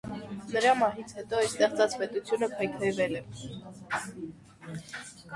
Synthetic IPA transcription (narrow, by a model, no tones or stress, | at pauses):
nəɾɑmɑɦit͡sʰhɛt̪ɔɛst̪ɛχt͡sɑt͡spɛt̪ut͡sʰjunəpʰɑjkʰɑjvɛlɛ